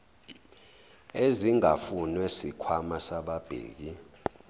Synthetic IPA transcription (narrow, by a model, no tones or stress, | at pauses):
eziŋafunwɛsikʰwamasaɓab̥ʱḛːk̬i